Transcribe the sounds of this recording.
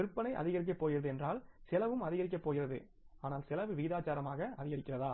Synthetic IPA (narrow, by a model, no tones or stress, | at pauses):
ɪɾɯpːɐnɐɪʔɐ̰ðɪɣɐɾɪk̬ːɐpːoːjɪrɐðɯɛndraːlsɪlɐʋɯmɐðɪɣɐɾɪk̬ːɐpːoːjɪrɐðɯ̰ | aːnaːlsɪlɐʋɯʋiːðaːt͡ʃaːɾɐmaːɣɐɐðɪɣɐɾɪkːɪrɐðaː